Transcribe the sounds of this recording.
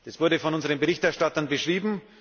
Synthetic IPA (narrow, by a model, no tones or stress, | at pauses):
d̥asv̥ʊɐdəfɔnʔʊnzəʁənbəʁɪçtɛɐʃtatɐnbəʃʁ̥iːbm̩